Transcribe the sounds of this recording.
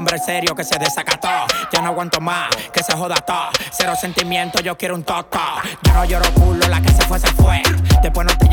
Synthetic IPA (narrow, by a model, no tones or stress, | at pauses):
mbɾeseɾjokeseðesakat̪oʝanoaɣwant̪omakeseɦoðat̪oseɾose̞nt̪imjẽnt̪oʝokjeɾount̪ot̪oɟ͡ʝonoʝoɾokulolakesefwesefwed̪epwenot̪e